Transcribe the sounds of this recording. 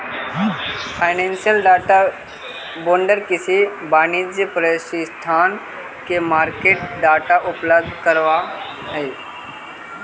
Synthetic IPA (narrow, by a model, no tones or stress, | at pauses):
pʰaːɪnẽːnsijəlɖaːʈa | boːɳɖəɾkɪsibaːnid͡ʒjəpɾəsist̪ʰaːn | kemaːɾkeːʈ̚ɖaːʈaʔʊpləb̚d̪ʱkəɾʋa | ɦe